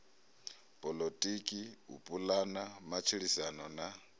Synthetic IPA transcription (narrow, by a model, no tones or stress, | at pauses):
pʼɔlɔtʼikʼiṵpʼulanamat͡ʃʰiɺisanɔna